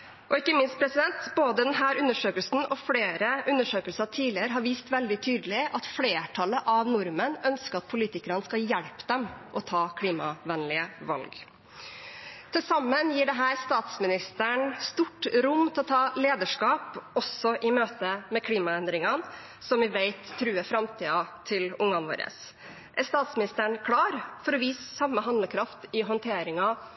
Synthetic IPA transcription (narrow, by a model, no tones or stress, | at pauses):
ʔɔɪkːəmɪnst̪̚pʰɾɛsɪd̪ɛnt̪boːd̪əd̪ɛnɦæːɾʉnːəʂøːkəlsn̩ɔfɽeːɾəʔʉnːəʂøːkəlsət̪ʰiːlɪəɾəɦɑɾʋiːst̪ʋɛld̪ɪt̪ʰyːd̪əlɪʔɑt̪fɽeːʈʰɑləʔɑʋnʊɾmənœnskəɑt̪̚pʰʊliːt̪ɪkəɾənskɑjɛɽpd̪ɛmʔɔt̪ʰɑːkʰɽiːmɑ̰ʋɛnlɪəʋɑ̰lɡ | t̪ʰɪlsɑmːənjiːɖɛɦæːɾst̪ɑːt̪smɪnɪst̪əɳst̪uʈɾʊmt̪ʰɛlɔt̪ʰɑːleːd̪əʂkɑːpɔsːɔʔɪmøːt̪əmɛkʰliːmɑɛnd̪ɾɪŋɑn | sɔmʋɪʋæɪt̪ʰːɾʉːəfɾɑmt̪ʰiːɑt̪ʰɪlʊŋːɑnʋo̰ːɾə̰s | ʔɛst̪ɑːt̪smɪnɪst̪əɳkʰɽɑːɾfɔɾɔʋiːssɑmːəɦɑnd̪ləkʰɾɑft̪ɪɦɔnt̪ʰeːɾɪŋɑ